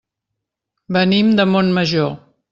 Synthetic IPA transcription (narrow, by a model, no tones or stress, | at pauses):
bənimd̪əmonməʒo